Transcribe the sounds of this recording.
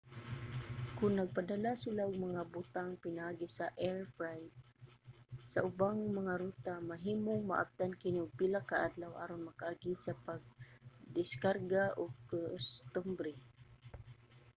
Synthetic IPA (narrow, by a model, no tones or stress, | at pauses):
kʊnːaɡ̚pad̪alasɪlaʊɡ̚maŋabʊt̪aŋpɪnaʔaːɡisaʔɛɹpɾajd̚ | saʔʊbaŋmaŋaɾut̪amaɦiːmʊŋma̰ʔa̰b̚t̪ankɪniʊɡ̚pilakaʔad̪lawa̰ɾonmakaʔaɡisapaɡ̚d̪ɪskarɡaʔʊɡost̪ʊmbɾɛ